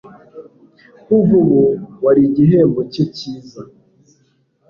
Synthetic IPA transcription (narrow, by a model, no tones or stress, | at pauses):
uvuβuwaɾiɟiɦeːmboceciːza